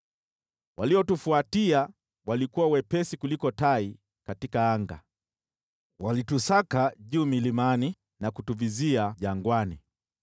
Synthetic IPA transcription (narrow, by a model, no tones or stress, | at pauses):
wʔaliɔtufuatia | walikuwawɛpɛsikulikɔtai | katikaaŋɡa̰ | walitusakaʄuːmilimani | nakutuviziaʄaŋɡwani